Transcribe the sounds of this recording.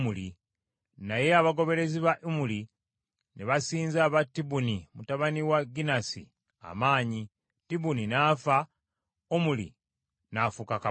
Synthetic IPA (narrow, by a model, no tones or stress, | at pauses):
muli | naje̞aβaɡo̞βe̞ɾe̞ziβaʔimuli | neβasiːnzaβatːibunimutaβaniwaɡinasḭ | a̰maːɲi | tiβuninaːfa | omulḭ | nafukaka